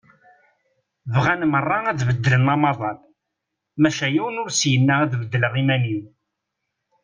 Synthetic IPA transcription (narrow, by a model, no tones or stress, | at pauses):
vʁænmərˤːɑæðvəd̪ːələnʁɑmɑðˤɑn | mæʃæjiwənʊɾsjənːææðvəd̪ːəlʁimænin